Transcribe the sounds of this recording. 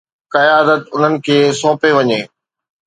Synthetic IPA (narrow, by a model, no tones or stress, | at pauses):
kɐjaːd̪ət̪ʊn̤ənɪ̆kʰeːsɔ̃ːpeʋɐɲeː